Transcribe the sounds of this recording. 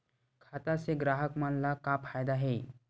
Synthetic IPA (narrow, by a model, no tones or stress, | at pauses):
kʰaːt̪aseɡɾaːɦəkmanlakapʰaːjd̪aɦɛː